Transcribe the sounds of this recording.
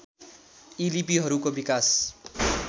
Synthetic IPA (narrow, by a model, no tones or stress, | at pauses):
ilipiɦʌɾukobikas